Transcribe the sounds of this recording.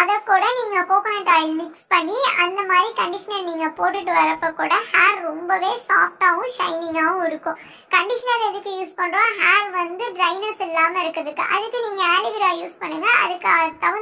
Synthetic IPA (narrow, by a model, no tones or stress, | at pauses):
ɐðɐkːuːɽɐniːŋɡɐpoːkːɐnɐɖaːjɐlmɪkspɐɳːiɐnd̪ɐmaːd̪ɾikɐɳɖɪʂɐnɐlniːŋɡɐpoːʈːɯʈːɯʋɐɾɐpːɐkːuːɽɐhaːɾɾɔmbɐʋeːsaːfʈaːʋʊ̃ʂɐɪnɪŋɡaːʋɯ̃ɪɾɯkːʊ̃ | kɐɳɖɪʂɐnɐlɛðɯkːɯjuːspɐɳɖɾõːɦaːɾʋɐnd̪ɯɖɾɐɪnɐɾsɛlːaːmɐɪɾɯkːɾɐðɯkːɯ̰ʔɐ̰ðɯkːɯniːŋɡɐaːlɪʋɪɾaːjuːspɐɳːɯŋɡɐɐ̰ðɯkːɐt̪ːɐʋɐ̃